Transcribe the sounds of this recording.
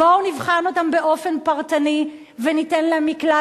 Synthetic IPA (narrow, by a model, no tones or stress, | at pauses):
ownivχano̞tambeʔo̞fe̞npɐʁtani | venitenlamːikla